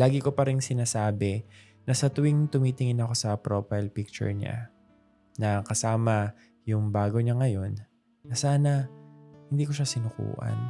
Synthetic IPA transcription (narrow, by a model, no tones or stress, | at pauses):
laːɡɪko̞pɐɾɪŋsɪnaːsaːbɛ | nɐsɐt̪ʊwɪŋt̪ʊmiːt̪ɪŋɪnɐko̞sɐpɾofɐjlpik̚t͡ʃʊ̰ɹɲa̰ | nɐkɐsaːmɐ | jʊŋbaːɡo̞ɲaŋɐjo̞nː | ɐsaːnɐhɪnd̪iːko̞ʃasɪnʊkṵːʔɐ̰n